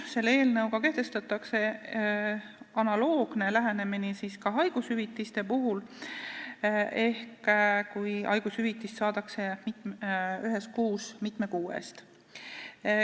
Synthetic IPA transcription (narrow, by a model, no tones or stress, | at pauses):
se̞lːeːlnɤwkɑke̞ht̪e̞st̪ɑt̪ːˑɑkse̞ | ɑnɑlo̞ːɡ̥ne̞læɦene̞minisiskɑɦɑjɡ̥ushyvit̪ːˑist̪e̞puɦul | e̞hkkujɑ̰jɡ̥ushyvit̪ːˑist̪sɑːt̪ɑkse̞mit̪yɦe̞skuːsmit̪ˑme̞kuːḛst̪